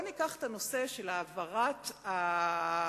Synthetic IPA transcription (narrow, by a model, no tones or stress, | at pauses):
onikaχtano̞se̞ʃelaːvaʁata